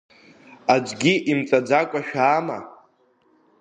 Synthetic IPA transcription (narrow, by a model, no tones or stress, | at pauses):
ad͡ʒʷɡʲiʔimt͡sʼad͡zakʷʼaʃᶣaːma̰